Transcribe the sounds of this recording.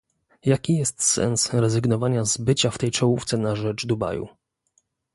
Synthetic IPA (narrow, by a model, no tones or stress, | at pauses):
jakʲijɛst̪sɛ̰nsɾɛzɘɡnɔvaɲazbɘt͡ɕaft̪ɛjt͡ʂɔwuft̪sɛnaʐɛd͡ʐd̪uba̰jṵ